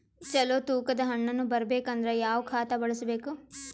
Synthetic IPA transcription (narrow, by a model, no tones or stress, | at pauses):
t͡ʃɛlot̪uːkɐd̪ɐɦɐɳːɐnːubɐɾɐbeːkɐnd̪ɐɾejaːʋkʰaːt̪ɐbɐɭusɐbeːku